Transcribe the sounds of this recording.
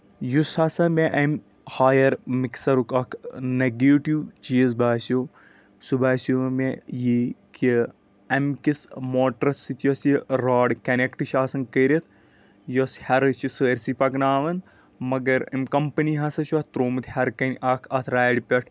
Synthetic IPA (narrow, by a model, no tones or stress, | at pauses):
jushɐsɐmeʔɐmʲ | haːjɐɾmiksɐɾukɐkʰnɐɡeːʈiwt͡ʃiːzbaːsoː | subaːsomejiki | ɐmkismoːʈɾɐt̪sit̪ʰjosiɾaːɖkɐnekʈɨʃaːsɐŋkəːɾʲɐt̪ʰ | joshɐɾɨt͡ʃisəːɾʲsipɐknaːʋɐn | mɐɡɐɾɐ̰mʲkɐmpɐniɦɐsɐt͡ʃɐt̪t̪ɾoːmɨt̪ʰhɐɾkɐnʲʔɐkʰɐt̪ʰɾaːɖpʲɐʈʰ